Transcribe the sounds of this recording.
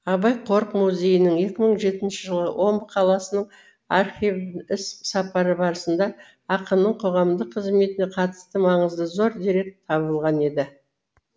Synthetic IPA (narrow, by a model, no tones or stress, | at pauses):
ɑbɑjqʰo̞ɾqmuzʲe̞jɪnɪɴe̞kʲɪməɴʒe̞t̪ɪnʃɪʒəlˠə̰wʔo̞mbəqʰɑlˠɑsənəɴ | ɑrχivɪssɑpɑɾəbɑɾəsənd̪ɑː | qəmnəɴqʰo̞ʁɑmd̪əqʰəzme̞t̪ɪneqʰɑt̪ə̥st̪əmɑɴəzd̪əzo̞ɾd̪iɾe̞k̚t̪ʰɑβəlˠʁɑne̞d̪ɪ